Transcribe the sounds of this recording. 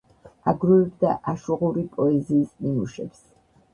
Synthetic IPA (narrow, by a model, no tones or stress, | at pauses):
aɡɾuɛbd̪aʔaʃuʁuɾipʼɔɛziːsnimuʃɛ̰ps